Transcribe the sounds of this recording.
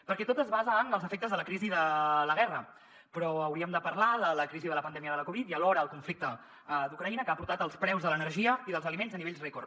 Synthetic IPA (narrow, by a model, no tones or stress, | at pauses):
pəɾkɛt̪ot̪əzβazəənəlˠzəfɛk̚t̪əzðələkɾiziðələɣ̞ɛrə | pɾɔəwɾiəmd̪əpəɾlaðələkɾiziðələpənd̪ɛmiəðələkuβit̪iəlɔɾəːlˠkuɱflik̚t̪ə | d̪ukɾəinəkəapuɾt̪at̪əlˠspɾɛwzðələnəɾʒiəiðəlˠzəlimenzəniβeʎzrekur